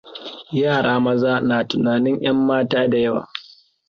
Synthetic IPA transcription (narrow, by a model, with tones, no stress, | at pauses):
jaː˦˨ɽaː˦mɐ˦zaː˦naː˨tʊ˨naː˨nɪ˦ɲʔj̰ɐ˦mːaː˦taː˦da˨jɐ˦wa̰ː˨